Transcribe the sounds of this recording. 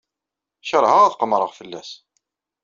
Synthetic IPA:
ʃəɾˤhaʁæθqəmɾˤəʁfəlːæs

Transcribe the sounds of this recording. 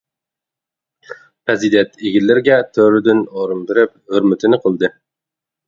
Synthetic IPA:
pɾezid̪ent̪iɡʲɪlːɪɾɡʲɛt̪ʰøɾd̪ɪnoɾɨmbɪɾɪp̚hɵɾmʏt̪ɪnɪqʰolˠd̪ɨ

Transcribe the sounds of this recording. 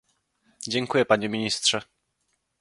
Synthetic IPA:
d͡ʑɛŋkujɛpaɲɛmʲiɲist̪ʂɛ

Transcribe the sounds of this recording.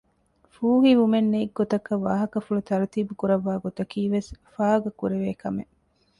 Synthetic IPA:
fuːɦiʋumenːeiɡːot̪ɐkɐʋaːɦɐkɐfulut̪ɐɾɐt̪iːbukuɾɐʋːaːɡot̪ɐkiːʋesfaːɡɐkuɾeʋeːkɐme

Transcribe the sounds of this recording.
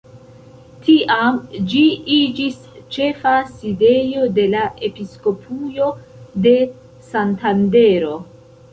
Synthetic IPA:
tiʔamd͡ʒiid͡ʒis | t͡ʃe̞faside̞jo̞de̞lae̞pisko̞pʰujo̞de̞ | santande̞ɾo̞

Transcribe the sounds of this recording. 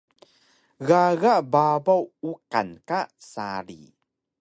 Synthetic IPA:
ɣaɣaʔbabawuka̰nkasaɾḭ

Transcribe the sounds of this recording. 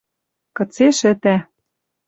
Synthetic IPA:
kɤ̆t͡seʃɘ̆t̪æ

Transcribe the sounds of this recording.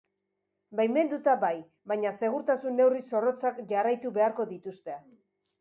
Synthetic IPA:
bajme̞nd̪ut̪abaj | bajɲase̞ɣ̞uɾt̪asunːe̞wriso̞ro̞t͡sakʝarajt̪uβe̞aɾko̞ðit̪ust̪e

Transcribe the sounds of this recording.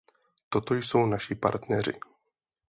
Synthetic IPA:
t̪ot̪ojso̞wnaʃɪpa̰ɾt̪nɛr̝ɪ̰

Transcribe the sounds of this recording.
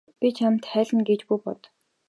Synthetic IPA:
pʲit͡ɕʰam̥t̪χæːɮə̆nɡet͡ɕpujpɔt̪

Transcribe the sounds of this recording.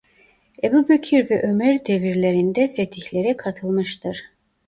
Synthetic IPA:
ebuːbecʰiɾvɛʔømɛɾd̪e̞viɾlʲe̞ɾind̪ɛfet̪ʰiçlʲe̞ɾɛkʰat̪ʰɯlˠmɯʃt̪ʰɯɾ̥

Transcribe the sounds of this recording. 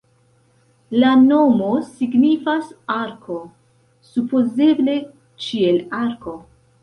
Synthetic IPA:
lano̞mo̞siɡnifasaɾkʰo̞ | supoze̞ble̞ | t͡ʃielaɾko̞

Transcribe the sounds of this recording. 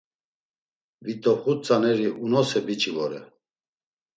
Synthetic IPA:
vit̪ʼɔχut͡sʼanɛɾiʔunɔsɛbit͡ʃʼivɔɾɛ̰

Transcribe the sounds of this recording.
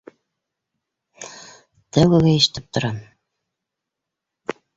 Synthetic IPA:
t̪æwæɡæɘ̆ʃ̆t̪ɘp̚t̪ŏɾɑn

